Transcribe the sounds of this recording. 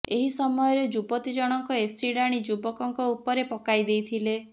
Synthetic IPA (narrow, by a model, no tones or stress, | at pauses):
eɦisɔmɔjɔɾed͡ʒubɔt̪id͡ʒɔɽ̃ɔŋkɔesɾiɽaɽ̃id͡ʒubɔkɔŋkɔupɔɾepɔkajd̪ejt̪ʰile